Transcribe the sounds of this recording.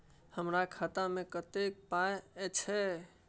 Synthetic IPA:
həmɾakʰat̪amekət̪ek̚pajt͡ʃʰɛ

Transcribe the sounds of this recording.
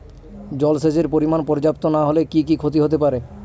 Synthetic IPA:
d͡ʑɔlsed͡ʑeɾpoɾimanpɔɾd͡ʑap̚t̪onaɦolekikikʰot̪iɦot̪epaɾe

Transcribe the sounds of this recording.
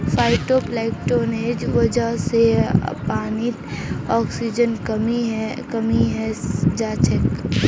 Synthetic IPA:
fʰaːɪʈoplɛːkʈoːneːd͡ʒʋɐd͡ʒəɦsḛpaːnit̪ɔːksid͡ʒənkəmiɦkɐmiɦɛd͡ʒaːt͡ʃʰək

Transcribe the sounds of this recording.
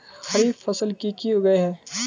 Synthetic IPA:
xɐɾiːbfɐsəlkikioɡɐeɦɛː

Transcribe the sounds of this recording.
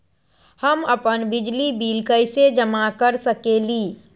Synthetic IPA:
həməpənbɪd͡ʒlibiːlkəɪsed͡ʒəmakəɾsəkeliː

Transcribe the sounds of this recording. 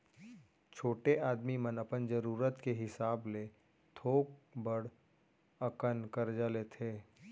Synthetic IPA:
t͡ʃʰoːʈeʔaːd̪mimənəpənd͡ʒəɾuːɾət̪keɦɪsaːble | t̪ʰoːkbəɽ | ɐkənkəɾd͡ʒaːlet̪ʰeː

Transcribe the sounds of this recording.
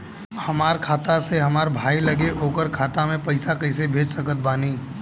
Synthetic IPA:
hɐmaːɾkʰaːt̪aseɦɐmaːɾbʱaːilɐɡeʔoːkəɾkʰaːt̪amẽpɐɪsakɐɪsebʱeːd͡ʒsəkət̪̚baːniː

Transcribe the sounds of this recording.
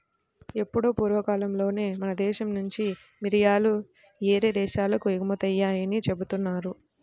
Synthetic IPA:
e̞pːuɽoːpuːɾʋɐkaːlɐmlo̞ːne̞ːmɐnɐd̪ɛːʃɐmnuɲt͡ʃi | miɾijaːlu | eːɾeːd̪ɛːʃaːlɐkuiɡɐmɐt̪ɐjːaːjɐnit͡ʃe̞but̪unːaːɾu

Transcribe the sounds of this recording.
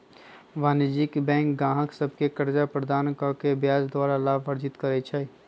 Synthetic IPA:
ʋaːnəd͡ʒikbɛ̃ːŋkɡãːɦəksəbʱkekəɾd͡ʒapɾəd̪aːnkəkebjaːd͡ʒd̪waːɾalaːbʋəɾd͡ʒɪt̪kəɾɛt͡ʃʰɛ

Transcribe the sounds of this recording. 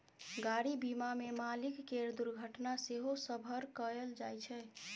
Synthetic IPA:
ɡaɽibimamemalikːeɾd̪uɾɡʱəʈnaseɦosəbʱəɾkəeld͡ʒajt͡ʃʰɛ

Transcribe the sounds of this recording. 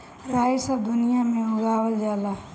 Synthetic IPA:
ɾaːjsəbd̪ʊnijamẽʊɡaːwəld͡ʒaːla

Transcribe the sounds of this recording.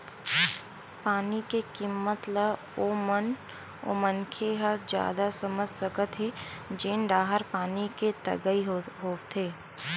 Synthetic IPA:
paːnikekimːət̪ləb | oːmən | o̰ːmənkʰeɦəɾd͡ʒja̰ːd̪asəməd͡ʒʱsəkət̪ɦed͡ʒeːnɖaːɦəɾpaːniket̪ɐ̰ɡəiɦoːɡt̪ʰeː

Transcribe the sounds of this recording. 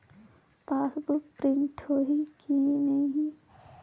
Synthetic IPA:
paːsbʊkpɾɪ̃ɳʈhoːɦikienɐĩɦĩ

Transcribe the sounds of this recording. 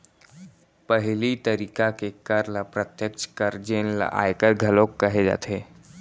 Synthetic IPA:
pəɦɪlit̪əɾiːkakekəɾlapɾət̪jəkʃkəɾd͡ʒeːnla̰ʔa̰jkəɾɡʱəlõkːəɦed͡ʒa̰ːt̪ʰe

